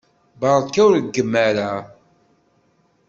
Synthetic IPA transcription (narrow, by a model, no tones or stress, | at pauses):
bɑɾˤkːæwɾəɡːəmːæɾæ